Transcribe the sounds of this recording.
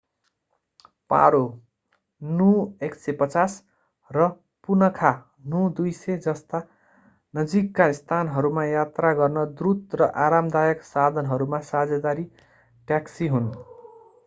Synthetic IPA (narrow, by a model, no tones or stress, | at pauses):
pa̰ɾo | nueksepʌt͡sas | rʌ | punʌkʰa | nud̪ujsed͡zʌst̪a | nʌd͡zikːaist̪ʰanɦʌɾumajat̪raɡʌrnʌd̪ɾut̪rʌʔaɾamd̪ajʌksad̪ʱʌnɦʌɾumasad͡zʌd̪aɾi | ʈjaksiɦun